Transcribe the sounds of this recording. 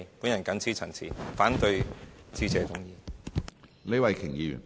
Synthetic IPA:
puː˨˥njɐ˨˩nkɐ˨˥nt͡sʰiː˥t͡sʰɐ˨˩ŋt͡sʰḭː˨˩faː˨˥nt̪ɵ˧ɥt͡siː˧t͡sɛː˨˧t͡sʊ˨˥ŋjiː˧ | le˨˧˥wɐ˨˩jkʰɪ˨˩ŋjiː˧jy̰ː˨˩n

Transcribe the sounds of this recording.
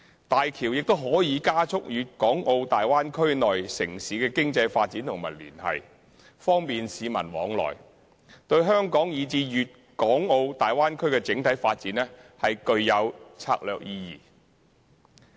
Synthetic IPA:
t̪aː˨jkʰiː˨˩wjɪ˨k̚t̪o˥wɦɔː˨˥jiː˨˧kaː˥t͡sʰʊ˥k̚jyː˨t̚kɔː˨˥ŋo˧wt̪aː˨jwaː˥nkʰɵ˥ɥnɔː˨jsɪ˨˩ŋsiː˨˧˥kɛː˧kɪ˥ŋt͡sɐ˧jfaː˧t̚t͡siː˨˥nt̪ʰʊ˨˩ŋmɐ˨˩lyː˨˩nɐ̰˨j | fɔː˥ŋpiː˨nsiː˨˧mɐ̰˨˩nwɔ̰ː˨˧ŋlɔ̰ː˨˩j | t̪ɵ˧ɥɦœː˥ŋkɔː˨˥ŋjiː˨˧t͡siː˧jyː˨t̚ | kɔː˨˥ŋo˧wt̪aː˨jwaː˥nkʰɵ˥ɥkɛː˧t͡sɪ˨˥ŋt̪ʰɐ˨˥jfaː˧t̚t͡siː˨˥nɛː˥hɐ˨jkɵ˧ɥjɐ˨˧wt͡sʰa̰ː˧˥k̚lœː˨˧k̚jiː˧jḭː˨

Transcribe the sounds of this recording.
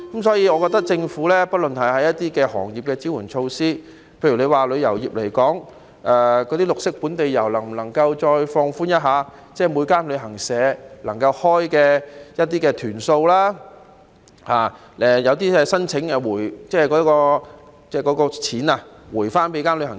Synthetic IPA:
kɐ˨˥ms̬ɔː˨˥jiː˨˧ɔ˨˧kɔː˧t̚t̪ɐ˥k̚t͡sɪ˧ŋfuː˨˥lɛː˥pɐ˥t̚lɵ˨˩nhɐ˨˩jhɐ˨˥jɐ˥t̪iː˥kɛː˧hɔ̰ː˨˩ŋjiː˨p̚kɛː˧t͡si˨˥wuː˨˩nt͡ʃʰo˧wsiː˥ | pʰe˧jɥy˨˩ne˨˧jwaː˨lɵ˨˧ɥjɐ˨˩wjiː˨˩p̚le˨˩jkɔː˨˥ŋ | ʔɛː˨˩kɔː˨˧t̪iː˥lʊ˨k̚sɪ˥k̚puː˨˥nt̪e˨jːɐ˨˩wlɐ˨˩ŋm̩˨˩lɐ˨˩ŋkɐ˧wt͡ʃɔː˧jfɔː˧ŋfuː˥njɐ˥t̚ɦaː˨˧ | t͡sɛː˥˩mu˨˧jkaː˥nlɵ˨˧ɥɦɐ˨˩ŋsɛː˨˧lɐ˨˩ŋkɐ˧whɔː˥jkɛː˧jɐ˥t̚t̪iː˥kɛː˧t̪ʰyː˨˩nso˧wlaː˥ | haː˨˩ | ɛː˨jɐ˨˧wt̪iː˥ɛː˧sɐ˥nt͡sʰɪ˨˥ŋɛ˧wuː˨˩jt͡sɛː˥kɔː˨˧˥kɔː˧ | t͡sɛː˥˩kɔː˨˧˥kɔː˧t͡sʰiː˨˥na˧wuː˨˩jfaː˥npe˨˧jkaː˥nlhɐ˨˩

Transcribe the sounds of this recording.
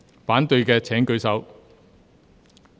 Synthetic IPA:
faː˨˥nt̪ɵ˧ɥkɛː˧t͡sʰɛː˨˥ŋkɵ˧ɥsɐ˨˧˥w

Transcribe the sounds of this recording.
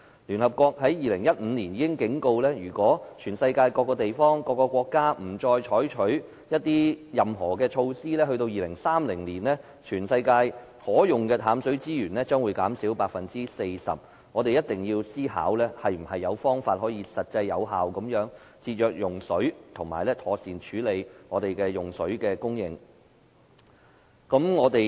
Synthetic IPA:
lyː˨˩nhɐ˨p̚kʷɔː˧k̚hɐ˨˥jjiː˨˩lɪ˨˩ŋjɐ˥t̚m̩ː˨˧niː˨˩njiː˨˧kɪ˥ŋkɪ˨˥ŋko˧wlɛː˥jyː˨˩kwɔː˨˥t͡ʃʰyː˨˩nsɐ˧jkaː˧jkɔː˧kːɔː˧t̪e˨jfɔː˥ŋkɔː˧kːɔː˧kʷwɔː˧kːaː˥m̩˨˩t͡ʃɔː˧jt͡ʃʰɔː˨˥jt͡ʃʰɵ˨˥ɥ | jɐ˥t̚t̪iː˥jɐ˨mɦɔː˨˩kɛː˧t͡ʃʰo˧wsiː˥lɛː˥hɵ˧ɥt̪o˧wjiː˨˩lɪ˨˩ŋsaː˥mlɪ˨˩ŋliː˨˩nlɛː˥ | t͡ʃʰyː˨˩nsɐ˧jkaː˧j | hɔː˨˥jʊ˨˩ŋkɛː˧t̪ʰaː˨˥msɵ˨˥ɥt͡siː˥jyː˨˩nlɛː˥t͡sœː˥ŋwuː˨˧jkaː˨˥msiː˨˥wpaː˧k̚fɐ˨nt͡siː˥se˧jsɐ̰˨p̚ | ŋɔː˨˧t̪e˨jɐ˥t̚t̪ɪ˨ŋjiː˧wsiː˥ha̰ː˨˥wlɛː˥hɐ˨jm̩˨˩hɐ˨jːɐ˨˧wfɔː˥ŋfaː˧t̚hɔː˨˥jiː˨˧sɐ˨t̚t͡sɐ˧jːɐ˨˧wɦaː˨wkɐ˨˥mjœː˨˥ŋ | t͡sʰiː˧t̚jœː˨˧k̚jʊ˨˩ŋsɵ˨˥ɥt̪ʰʊ˨˩ŋma̰ː˨˩jlɛː˥t̪ʰɔː˨˧siː˨˩nt͡ʃʰyː˨˥le˨˧jŋɔː˨˧t̪e˨˩jkɛː˧jʊ˨˩ŋsɵ˨˥ɥkɛː˧kʊ˥ŋjɪ̰˧ŋ | kɐ˨˥mŋɔː˨˧t̪e˨

